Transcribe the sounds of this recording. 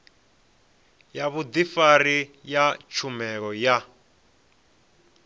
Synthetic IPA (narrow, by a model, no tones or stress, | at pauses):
jaβud̪ifaɾijat͡ʃʰumɛɺɔja